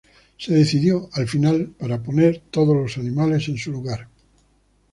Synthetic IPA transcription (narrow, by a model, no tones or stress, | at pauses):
seðeθiðjoalfinalpaɾaponeɾt̪oðolosanĩmale̞sẽ̞nsuluɣaɾ